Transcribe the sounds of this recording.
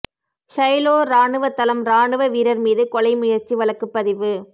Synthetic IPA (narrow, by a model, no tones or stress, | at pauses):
ʂɐjloːɾaːɳɯʋɐt̪ːɐlɐmɾaːɳɯʋɐʋiːɾɐɾmiːðɯkɔlɐɪmʊjɐɾt͡ʃːiʋɐɭɐkːɯpːɐðɪʋɯ